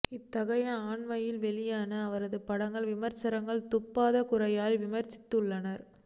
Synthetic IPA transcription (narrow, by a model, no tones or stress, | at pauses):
ɪt̪ːɐɣɐjɐaːɳmɐjɪlʋɛɭɪjaːnɐːʋɐɾɐðɯpɐɽɐŋɡɐɭʋɪmɐɾt͡ʃɐɾɐŋɡɐɭt̪ʊpːaːðɐkʊɾɐjaːlʋɪmɐɾt͡ʃːɪ̥t̪ːɯɭːɐnɐɾ